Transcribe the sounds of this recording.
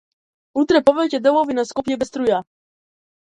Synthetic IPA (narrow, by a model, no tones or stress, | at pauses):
ut̪ɾɛpɔvɛjcɛd̪ɛwɔvinaskɔpjɛbɛst̪ɾuja